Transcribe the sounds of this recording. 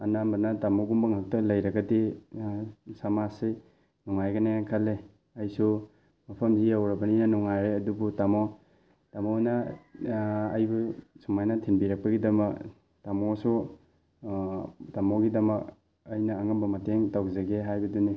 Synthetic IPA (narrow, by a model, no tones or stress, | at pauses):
ɐnambɐnɐtamoɡumbɐŋak̚tɐlɐjɾɐɡɐdi | samasi | nɔŋajɡɐnajaŋkʰɐlːe | ɐjsu | mɐpʰɐmziawɾɐbɐninɐnɔŋajɾeɐdubutamo | tamonɐ | jbusumajnɐtʰinbiɾɐk̚pɐɡidɐmɐk | tamosu | tamoɡidɐmɐk̚ | ɐjnɐːŋɐmbɐmɐteŋtawzeɡeɦajbɐduni